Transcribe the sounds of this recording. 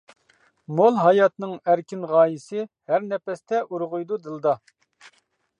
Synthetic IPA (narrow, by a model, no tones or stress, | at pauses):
molˠɦɑjɑt̪nɨŋæɾkʲinʁɑːjisɪhæɾnɛpɛst̪ʰɛʔuɾʁʊjd̪ud̪ɨlˠd̪ɑ